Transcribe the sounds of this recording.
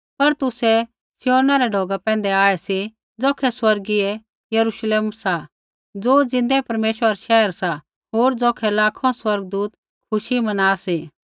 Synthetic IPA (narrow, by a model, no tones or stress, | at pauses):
pɐɾt̪ʊsɛ | sɪjoːnaɾɛɖʱoːɡapɛ̃ːn̆d̪ɛaːɛsi | d͡zɔːkʰɛswɐɾɡiɛ | jɐɾuʃleːmsa | d͡zoːd͡zɪ̃nd̪ɛpɐɾmeːʃwəɾʃɛːəɾsa | ɦoːɾd͡zɔːkʰɛlaːkʰõswɐɾɡ̚d̪uːt̪ | kʰʊʃimɐnaːsi